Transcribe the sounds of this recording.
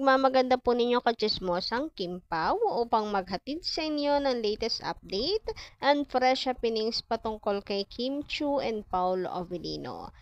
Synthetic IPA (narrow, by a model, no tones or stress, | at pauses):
ɡ̚mamɐɡɐnd̪apunɪɲo̞kɐt͡ʃɪsmosɐŋkɪmpawoːpɐŋmɐɡ̚ɦɐt̪id̪̚sɐʔɪnjo̞nɐŋlɛjt̪ɛst̪ɐ̰p̚d̪ɛjt̪̚ʔɐnd̪fɾɛʃɐpɪniŋspɐt̪ʊŋko̞lkɐjkʰimt͡ʃuʔɛnd̪̚pawlʔo̰vɛlḭːno̞̰